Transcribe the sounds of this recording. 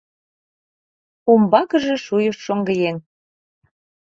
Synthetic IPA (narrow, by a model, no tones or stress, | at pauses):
umbɑkə̆ʒĕʃujəʃːoŋɡəjen